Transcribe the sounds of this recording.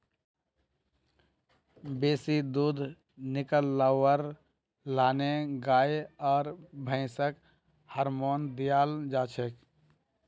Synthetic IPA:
beːsid̪uːd̪ʱ | nɪkəlːawəɾ | laːneɡaːjɔːɾbʱə̃ɪsək | həɾmoːnd̪ijaːld͡ʒaːt͡ʃʰek

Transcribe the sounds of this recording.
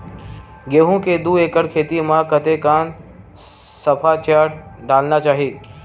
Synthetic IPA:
ɡeːɦũked̪uːeːkəɽkʰeːt̪imãkət̪ekaːn | sɐpʰat͡ʃaːʈ | ɖaːlnat͡ʃaːɦiː

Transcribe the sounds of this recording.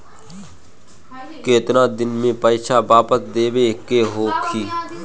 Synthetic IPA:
keːt̪ɾãːd̪ɪnmẽːpəiːʃaːbaːpəsd̪eːʋekeːɦoːkʰiː

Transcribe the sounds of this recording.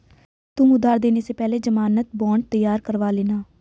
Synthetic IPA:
t̪ʊmʊd̪aːɾd̪eːneːseːpɛːleːd͡ʒəmaːnət̪̚bɔːɳt̪əjaːɾkəɾʋaːleːnaː

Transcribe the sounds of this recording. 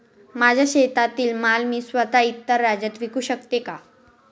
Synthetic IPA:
mad͡ʑʱjaɕet̪at̪iːlmalmiːsʋət̪ait̪ːəɾːad͡ʑət̪ʋikuːɕəkt̪eka

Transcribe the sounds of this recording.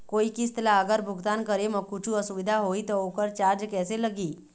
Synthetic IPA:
koikist̪laəɡəɾbʱuɡt̪ankəɾeməɡ̚kut͡ɕʰuəsuʋid̪ʱaɦoit̪əokəɾt͡ɕaɾd͡ʑkɛseləɡiː

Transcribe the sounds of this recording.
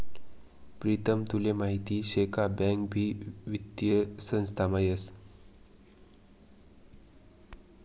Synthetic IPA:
pɾit̪əmt̪ulemaɦit̪iːɕekʰabɛ̃ŋkbʱiːʋit̪jəsə̃ñst̪ʰamajəs

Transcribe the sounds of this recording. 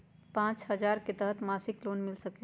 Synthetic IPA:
pãt͡ʃɦəd͡ʒaɾket̪əɦət̪masiklonmilsəkɛ

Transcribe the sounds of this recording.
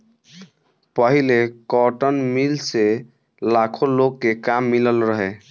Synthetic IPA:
pəɦilekɔʈənmilse | lakʰolokːekamːiləlɾəɦe

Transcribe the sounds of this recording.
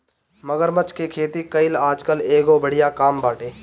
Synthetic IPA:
məɡəɾmət͡ʃkekʰeːt̪ikəɪlaːd͡ʒkəleːɡobəɽ̤ɪjakaːmbaːʈeː

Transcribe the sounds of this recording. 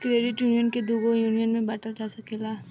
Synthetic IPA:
kɾeːɖɪʈjuːnijənked̪uːɡojuːnijənmẽbɛːʈəld͡ʒaːsɐkeːlaː

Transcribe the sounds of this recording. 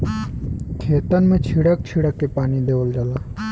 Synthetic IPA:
kʰeːt̪ənmẽt͡ʃʰiɽək̚t͡ʃʰiɽəkːepaːnid̪eːʋəld͡ʒəlaː

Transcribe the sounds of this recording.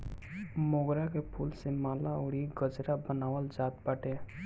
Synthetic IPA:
moːɡɾakepʰuːlsemaːlaoːɽiɡəd͡ʒɾabənaːwəld͡ʒaːt̪̚baːʈe

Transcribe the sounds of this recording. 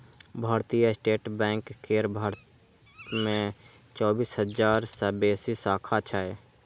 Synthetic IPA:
bʱaːɾt̪ijaɪsʈeːʈbɛ̃ːŋkʰːeːɾbʱaːɾ | mẽt͡ʃɔːbiːsɦəd͡ʒaːɾsəbeːsisaːkʰat͡ʃʰae

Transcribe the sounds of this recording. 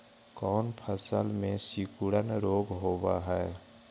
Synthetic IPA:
kɔːnpʰəsəlmẽsikuɽənɾoːɡɦobaɦɛe

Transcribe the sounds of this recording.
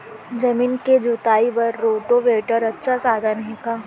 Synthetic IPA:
d͡ʒɐmiːnked͡ʒʊt̪aːibɐɾːoːʈoʋeːʈəɾɐtːʃʰasaːd̪ʱanɦikaː

